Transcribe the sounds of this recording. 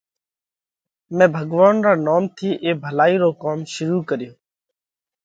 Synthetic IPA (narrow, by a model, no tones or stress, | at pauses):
mɛ̃ːbʱəɡʋaːnɾaːnaːmt̪ʰiːʔeːbʱəlaːiːɾoːkaːmʃʊɾuːkəɾjoː